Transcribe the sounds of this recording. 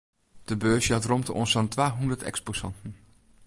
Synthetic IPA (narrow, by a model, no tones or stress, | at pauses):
d̥əbøːsjɑtrɔmtəɔ̰nsɔntʋaːɦundəɹtɛ̰ksposɑ̰ntən̩